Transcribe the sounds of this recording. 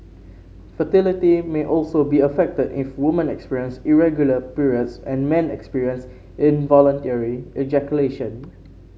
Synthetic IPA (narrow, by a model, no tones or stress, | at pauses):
fətɪlitimeʔɔlsobiəfɛk̚tədɪfwɪmə̃nɛkspiɹiə̃nsiɹɛɡjuləpuɹiətsɛ̰̃nmɛ̃nɛ̰kspiɹiə̃ns | ʔɪ̃nvɔlə̃ntɛɹiʔɛd͡ʒɛkjuleʃə̃n